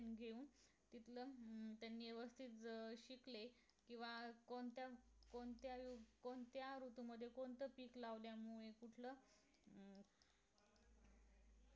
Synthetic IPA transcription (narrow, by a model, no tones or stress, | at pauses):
nɡʱeuːn | t̪it̪ʰlət̪janːiːeʋəst̪ʰit̪ɕikle | kĩw̃ʋakont̪jakoɳt̪jaukont̪jaɾut̪uməd̪ʱːjekoɳt̪əpiːklaʋljamuɭekuʈʰləː